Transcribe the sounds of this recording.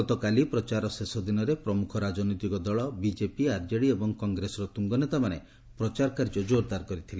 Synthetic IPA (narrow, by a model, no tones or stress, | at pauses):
ɔt̪ɔkalipɾɔt͡ʃaɾɔsesɔd̪inɔɾepɾɔmukʰɔɾad͡ʒɔnɔjt̪ikɔd̪ɔɭɔbid͡ʒepiaɾd͡ʒeɽiebɔŋkɔŋɡɾesɔɾɔt̪uŋɡɔnet̪amane | pɾɔt͡ʃaɾkaɾd͡ʒɔd͡ʒoɾd̪aɾkɔɾit̪ʰile